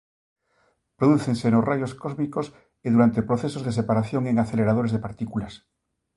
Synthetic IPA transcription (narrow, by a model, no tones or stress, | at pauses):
pɾoðuθeŋsenosrajoskozmikos | eðuɾant̪e̞pɾo̞θesozðes̬e̞paɾaθjo̞ŋeŋaθeleɾað̞o̞ɾezðepaɾt̪ikulas